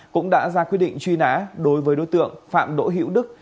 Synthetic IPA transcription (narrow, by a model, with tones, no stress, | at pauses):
kʊ̰˧˥ŋ͡mɗa̰ː˧˥zaː˧kwt̚ɗḭ˧˨ŋ̟t͡ɕwi˧na̰ː˧˥ɗo˨˦jvəː˨˦jɗo̰˧˥˦jt̪ɨ̰˧˨əŋfa̰ː˧˨mɗo̰˧˥ɦḭ˧˥əwɗɨ˦˥k̚